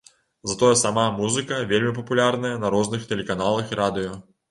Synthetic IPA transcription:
zɐt̪ɔjɛsamamuzɨkɐvʲelʲmʲip̬ɐpulʲarnɐjɐnɐɾɔznɨxt̪ɛlʲɛkanalˠɐxiɾʔad̪ɨjɔ

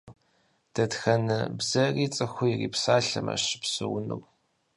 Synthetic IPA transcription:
d̥ɐtxɐnɨbzɐriːt͡sʼɨxʷʊjɪriːpsaːɬɐmɐ̰ɕɪ̥psɨwʊnɨ̰w

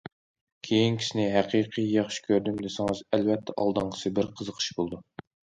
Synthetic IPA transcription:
kʲʰejinkʲʰi̥sɪnɪɦæqʰiqʰijjɑχʃi̥kʲʰøɾd̪ymd̪esɪŋɨzælvɛt̪ʰːɛʔɑ̰lˠd̪ɑɴəsɨbɪɾqʰəzəqʰə̥ʃbolˠd̪u

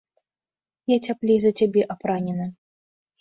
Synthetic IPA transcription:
jat͡sʲaplʲijzɐt͡sʲabʲɛʔapɾanʲɛnɨ

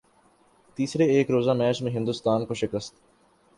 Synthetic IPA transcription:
t̪iːsɾeeːkɾoːzaːmɛːt͡ʃmẽɦɪ̃nd̪ʊst̪aːnkoʃɪkəst̪

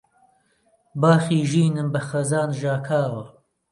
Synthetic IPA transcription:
baːxiːʒiːnɨmbɐxɐzaːnʒaːkʰaːwɐ

